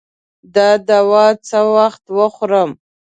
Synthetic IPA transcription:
d̪əd̪awɑt͡səwaxt̪wəxoɾəm

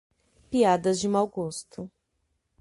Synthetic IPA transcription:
piad̪ɐzd͡ʒɪmawɡost̪ʊ

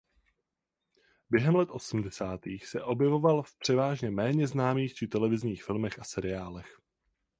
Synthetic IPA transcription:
bjɛɦɛmlɛt̪ʔo̞sm̩dɛsaːt̪iːxsɛʔo̞bjɛvo̞valfpr̥ɛvaːʒɲɛmɛːɲɛznaːmiːxt͡ʃɪt̪ɛlɛvɪzɲiːxfɪlmɛxʔasɛɾɪaːlɛx

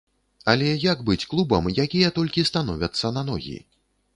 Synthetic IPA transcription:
ɐlʲɛjaɡbɨt͡sʲklˠubɐmjakʲijɐt̪ɔlʲkʲist̪anɔvʲɐt̪sːɐnanɔ̰ɣʲḭ

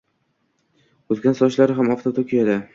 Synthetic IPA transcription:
ɵzɡʲansɒʃlaɾɪɦamɒft̪ʰot̪ʰokʲʰijad̪a

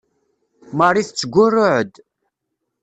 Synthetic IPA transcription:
maɾˤiθt͡sːəɡʷʊrːʊʕəd̪

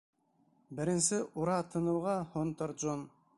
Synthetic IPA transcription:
bɘ̆ɾɘ̆nsɘʔuɾɑt̪ʰɤ̆nɤ̆wʁɑhont̪ɤɾʒon

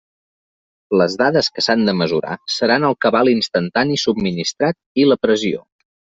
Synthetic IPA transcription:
ləzðaðəskəsand̪əməzuɾa̰səɾanəlˠkəβalˠinst̪ənt̪anisubminist̪ɾat̪̚iləpɾəzio̰

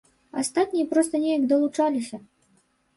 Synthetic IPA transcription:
ast̪at̪ʲnʲijɛpɾɔst̪ənʲejɐkd̪ɐlˠut͡ʂalʲisʲɐ

